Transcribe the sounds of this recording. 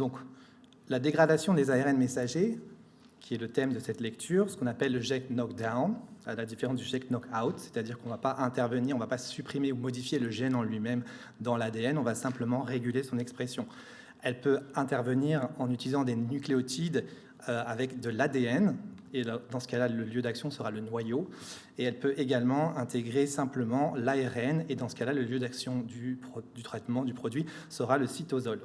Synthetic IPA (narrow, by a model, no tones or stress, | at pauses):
d̪ɔ̃k | lad̪eɡʁad̪asjɔ̃d̪ezaeʁɛnmesaʒe | kʲʰiɛlət̪ɛmd̪əsɛt̪lɛkt̪ʰyːʁsəkɔ̃napɛlːəʒɛknɔkd̪analad̪ifeʁɑ̃s̬d̪yʒɛknɔkʰawt̪se̥t̪ad̪iʁkɔ̃vapaʔɛ̃t̪ɛʁvəniʁɔ̃vapasypχimeumɔd̪ifjeləʒɛnɑ̃lɥimɛm | d̪ɑ̃lad̪eɛnɔ̃vasɛ̃pləmɑ̃ʁeɡʲylesɔ̃nɛkspχesjɔ̃ | ɛlpøɛ̃t̪ɛʁvəniʁɑ̃nyt̪ilizɑ̃d̪enykleɔt̪id̪ | øavɛkd̪əlad̪eɛn | eld̪ɑ̃sə̥kalaləljød̪aksjɔ̃səʁalənwajo | eɛlpøʔeɡalmɑ̃ɛ̃t̪ʰeɡʁesɛ̃pləmɑ̃laɛʁɛned̪ɑ̃sə̥kalaləljød̪aksjɔ̃d̪ypχɔd̪yt̪χɛt̪mɑ̃d̪ypχɔd̪ɥi | səʁaləsit̪ozɔl